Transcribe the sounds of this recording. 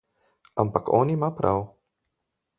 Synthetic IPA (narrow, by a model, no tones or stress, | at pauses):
ampakɔ̰ːnimapɾʔaw